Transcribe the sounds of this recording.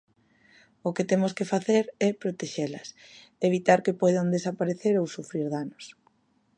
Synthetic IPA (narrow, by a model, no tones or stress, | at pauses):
ʊket̪emʊskefaθeɾɛpɾot̪eʃelɐs | eβit̪aɾkepɔjðand̪esapaɾeθeɾowsufɾiɾðanos